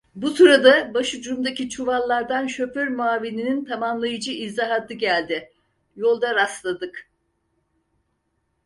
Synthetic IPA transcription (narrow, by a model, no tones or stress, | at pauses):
busuɾad̪abaʃɯd͡ʒuɾumd̪acit͡ʃʰuvalˠːaɾd̪anʃøføɾmuaːvininint̪ʰamamlˠajɯd͡ʒɯizaɦad̪ɯɟælʲd̪ɪ | jo̞lˠd̪aɾast̪lˠad̪ɯk